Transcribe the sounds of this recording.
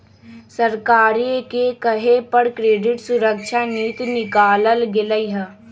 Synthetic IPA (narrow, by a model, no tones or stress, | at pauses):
səɾkaːɾikekəɦepəɽkɾeːɖɪʈsʊɾəkʃʰaniːt̪nɪkaːləlɡɪləiɦɛ